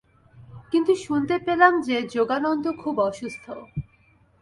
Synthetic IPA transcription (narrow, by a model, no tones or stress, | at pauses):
kint̪uʃunt̪epelamd͡ʑed͡ʑoɡanɔnd̪okʰubɔʃust̪ʰo